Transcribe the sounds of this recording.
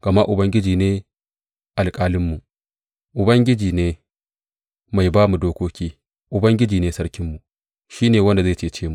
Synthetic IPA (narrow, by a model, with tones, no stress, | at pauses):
ɡ̥ɐ˨ma˦ʔʊ˨bɐ˦ŋɡʲɪ˦d͡ʒiː˨neː˦ | ʔa˨lkʼaː˦lɪ˦mːu˨ʔ | ʔʊ˨bɐ˦ŋɡʲɪ˦d͡ʒiː˨neː˦ | ma˨jbaː˦mu˨doː˦kʷoː˦kʲiː˦ | ʔʊ˨bɐ˦ŋɡʲɪ˦d͡ʒiː˨neː˦sɐ˦ɽkʲɪ˦mːu˨ʔ | ʃiː˦neː˨wɐ˦nda˨zeː˦˨t͡ʃeː˦˨t͡ʃeː˦mu˨